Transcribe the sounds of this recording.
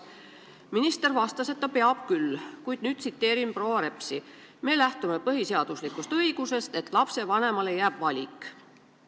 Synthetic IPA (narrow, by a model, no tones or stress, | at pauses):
minist̪e̞rvɑst̪ɑse̞t̪ːˑɑpe̞ɑb̥kylkujd̪̥̚nyːd̪̥̚sit̪ːe̞ːɾimproːɑɾe̞psi | me̞ːlæht̪ume̞pɤɦiseɑd̪̥uslikust̪ɤiɡ̥use̞st̪e̞t̪ːˑlɑpse̞vɑne̞mɑle̞jæːb̥vɑlʲikˑ